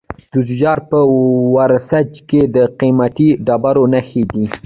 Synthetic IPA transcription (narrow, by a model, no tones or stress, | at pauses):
d̪̥ʊzd͡ʒɑɾpəwaɾsad͡ʒked̪əqimat̪iɖɑbaɾonaxed̪i